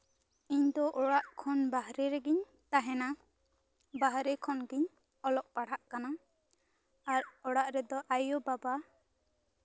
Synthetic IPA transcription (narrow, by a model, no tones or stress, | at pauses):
iɲd̪ɔʔɔɽaʔkʰɔnbaɦɾɛɾɛɡiɲ | t̪aɦɛna | baɦɾɛkʰɔnɡiɲ | ɔlɔʔ̚paɽ̤aʔkana | aɾɔɽaʔɾɛd̪ɔʔajɔbaba